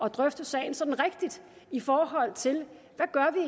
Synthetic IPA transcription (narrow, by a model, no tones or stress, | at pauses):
ɒ̽d̥ʁœfd̥əsɛ̰ɪn̩sɒ̽d̥n̩ʁeɡ̥̚d̥id̥ifɒːɦɒ̽l̰t͡sʰe̝l | ʋæɡ̥ɶɐʋie